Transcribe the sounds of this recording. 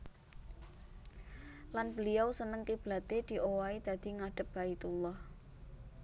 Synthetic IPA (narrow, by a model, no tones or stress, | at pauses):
lanbəlijawsənəŋk̪ib̥la̤t̪ed̪̥i̤ʔowaid̪̥a̤d̪̥i̤ŋaɖ̥ə̤p̚bait̪ulːɔh